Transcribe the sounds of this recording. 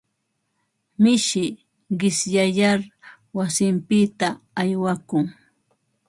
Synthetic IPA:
mɪʃɪ | ɢɪsjajaɾ | wasɪmpɪt̪aː | jwakʊŋ

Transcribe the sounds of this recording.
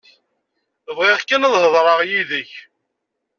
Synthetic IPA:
vʁeʁkənðˤhəðˤɾˤɑʁjiðəç

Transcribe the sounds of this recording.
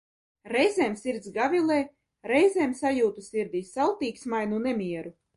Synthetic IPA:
ɾɛjzʲɛːmsiɾt̪sɡavʲilˠɛː | ɾɛjzʲeːmsajuːt̪usiɾd̪iːsalˠt̪iːksmajnunɛmʲiɛɾu

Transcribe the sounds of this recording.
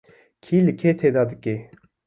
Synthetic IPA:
kʰilɨkʰet̪ʰed̪ad̪ɨke

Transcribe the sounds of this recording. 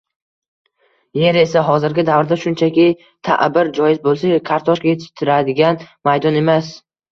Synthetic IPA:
je̞ɾe̞saɦɒzɪɾɡʲɪd̪avɾd̪aʃʊnt͡ʃʰakʲɪ | t̪ʰa̰ʔbɪɾd͡ʒɒjɪzbolˠsakʰaɾt̪ʰɒʃkʲajet̪ʰɪ̥t̪ʰɪɾad̪ɪɡʲanmajd̪ɒne̞mas

